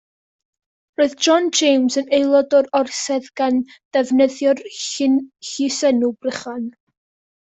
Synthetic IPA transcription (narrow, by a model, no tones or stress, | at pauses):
roɨðd͡ʒɔnd͡ʒejmzənejlˠɔdɔɾɔrsɛðɡ̥and̥ɛvnəðjɔrɪnɬisɛnubrəχan